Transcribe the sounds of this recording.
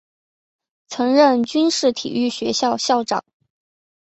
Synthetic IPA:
t͡sʰɤ˧˥ŋɻə˥˩nt͡ɕy˥nʂɻ̩˥˩t̪ʰḭ˨˩y˥˩ɕɥɛ˧˥ɕjɑ˥˧ʊɕjɑ˥˩ʊʈ͡ʂɑ̰˨˩˦ŋ

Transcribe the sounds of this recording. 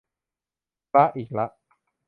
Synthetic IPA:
a˦˥ʔiː˨˩k̚la˦ʔ

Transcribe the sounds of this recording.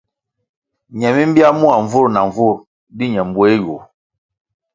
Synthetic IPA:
ɲɛ˨mi˦m˦bi˦a˦mu˦a˨ɱ˨vu˦ɾna˨ɱ˨vu˦˨ɾ | di˦ɲɛ˨m˦bwo˦e˦jo˨

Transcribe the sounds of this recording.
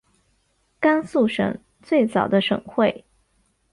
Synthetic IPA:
ka˥nsu˥˩ʂɤ̰˨˩˦ŋ | t͡swe˥˩ɪt͡sɑ˨˩ʊd̪ə˦ʂɤ̰˨˩ŋxwe˥˩ɪ

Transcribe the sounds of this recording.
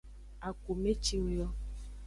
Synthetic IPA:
a˨ko˨me˦t͡ʃi˦wjɔ˦

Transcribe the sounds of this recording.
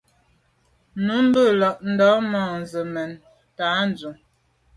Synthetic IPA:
nu˨˦m̩˦bə˦˨lɔ˨ʔn̩˨dɔ˨˦mɔː˨n̩˨zə˨mɛ˨n | ta˨˦n̩˨d͡zu˨ŋ

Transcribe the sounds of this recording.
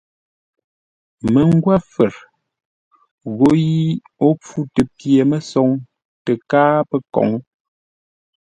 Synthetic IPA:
mə˨ŋ˦ɡwa˦fə˨ɾ | ɣo˨ji˦ | o˦p͡fu˦tə˨pje˨mə˦sɔ˨ŋ | tə˨kaː˦pə˦kɔ̰˨ŋ

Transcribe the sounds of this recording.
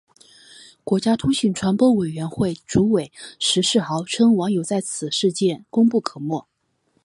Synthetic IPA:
kwɔ˧˥t͡ɕja˥t̪ʰu˥ɕi˨˩nʈ͡ʂʰwa˧˥npwɔ˥we˨˩ɪɥɛ˧˥nxwe˥˩ɪʈ͡ʂu˧˥we˨˩˦ɪʂɻ̩˧˥ʂɻ̩˥˩xɑ˧˥ʊʈ͡ʂʰɤ˥ŋwɑ˧˥ŋjo˨˩ʊt͡sa˥˩ɪt͡sʰɹ̩˨˩ʂɻ̩˥˧t͡ɕjɛ˥˩nkʊ˥ŋpu˥˩kʰɤ˨˩mwɔ˥˩

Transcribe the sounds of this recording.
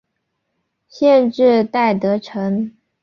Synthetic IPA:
ɕjɛ˥˧nʈ͡ʂɻ̩˥˧t̪a˥˩ɪt̪ɤ˧˥ʈ͡ʂʰɤ˧˥ŋ

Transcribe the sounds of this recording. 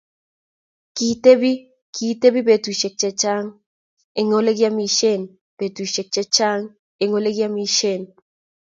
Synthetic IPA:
kit̪e˦bi˦ | kʰit̪e˦bi˦be˨t̪u˨ʃe˨k̚t͡ʃet͡ʃaŋ | e˨ŋole˦kjami˧ʃen | pe˨t̪u˨ʃe˨k̚t͡ʃe˦t͡ʃa˦ŋ | e˨ŋole˦ɡjami˧ʃen

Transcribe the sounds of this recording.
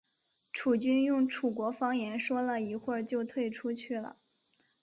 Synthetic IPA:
ʈ͡ʂʰu˨˩t͡ɕy˥njʊ˥˩ŋʈ͡ʂʰu˨˩kwɔ˧˥fɑ˥ŋjɛ˧˥nʂwɔ˥lə˨i˧˥xwə˥˧˩t͡ɕjo˥˧ʊt̪ʰwe˥˩ɪʈ͡ʂʰu˥t͡ɕʰy˥˩lə̰˩

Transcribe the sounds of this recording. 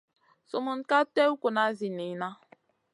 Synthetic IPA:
so˨mʊ˨n̩˦ka˦te˦u˦kʷo˨na˨˦zi˨ni˨˦na˦

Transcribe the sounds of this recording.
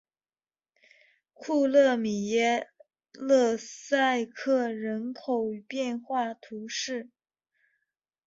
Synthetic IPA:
kʰu˥˧lɤ˥˩mi˨˩jɛ˥˧ | lɤ˥˧sa˥˧ɪkʰɤ˥˩ɻə˧˥nkʰo˨˩ʊ˩pjɛ˥˧nxwa˥˩t̪ʰu˧˥ʂɻ̩˥˩

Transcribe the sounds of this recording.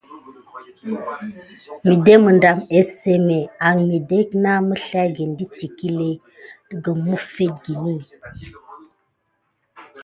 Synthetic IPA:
mi˨de˦mə˨nda˨me˦se˨me˨a˨ŋmi˨de˦kna˦mə˦ɬa˦ɡe˨ndi˦ti˨ki˦le˦ | tə˦ɡə˨mu˦fe˦t̚ɡi˨ni˦˨

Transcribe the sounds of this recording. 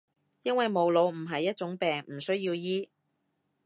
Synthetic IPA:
jɐ˥nwɐ˨jmo˨˧wlo˨˧wm̩˨˩ɦɐ˨jːɐ˥t̚t͡sʊ˨˥ŋpɛː˨ŋm̩˨˩sɵ˥ɥji˧wjiː˥

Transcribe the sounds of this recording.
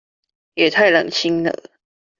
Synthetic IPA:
jɛ˨˩t̪ʰa˥˩ɪla˨˩ŋɕʰi˦ŋnə̰˨˩

